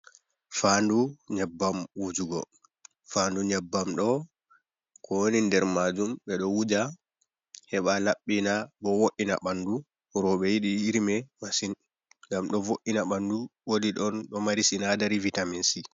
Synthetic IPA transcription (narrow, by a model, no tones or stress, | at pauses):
fanduɲɛbːamwud͡ʒuɡɔ | fanduɲɛbːamɗɔ | kʰonindɛɾmad͡ʒumɓɛɗɔwud͡ʒa | hɛɓalaɓːinabɔwoʔina̰ɓandu | ɾɔɓɛjiɗiiɾmɛmasin | ŋɡamɗɔvoʔinaɓanduwodiɗɔnɗɔmaɾisinadaɾivitaminsi